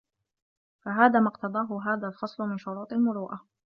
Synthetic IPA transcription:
faɦaːðaːmɑqt̪ɑd̪ˤɑːɦʊɦaːðalfɑsˤlʊmɪnʃʊɾuːt̪ˤalmʊɾuːʔa

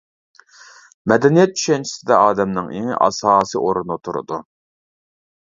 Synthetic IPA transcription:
mɛd̪ɛnijɛt̪̚t͡ʃʰy̥ʃɛnt͡ʃʰi̥sɪd̪ɛɑːd̪ɛmnɨŋḛŋ̰ʔɑ̰sɑːsɨʔoɾunut̪ʰuɾɨ̰d̪u

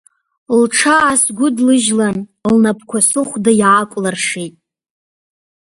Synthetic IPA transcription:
lʈ͡ʂʰaːsɡʷʊdlɨʒlanlnapʰkʷʰasɨχʷdajʕakʷʼlarʂejtʼ

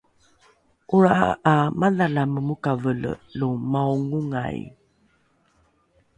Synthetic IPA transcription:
ʔuɾaʔa̰amanalaməmukavəl̰lumauŋuŋa̰j̰

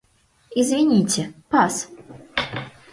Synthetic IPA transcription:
izʲvʲinʲit͡sʲɛpas

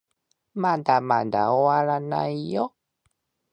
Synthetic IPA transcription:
mandama̰nda̰oalana̰ijɔ

